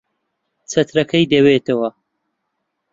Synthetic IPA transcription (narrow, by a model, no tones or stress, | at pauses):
t͡sʰɐt̪ɾɐkʰɐjd̪ɐweːt̪ʰɐwɐ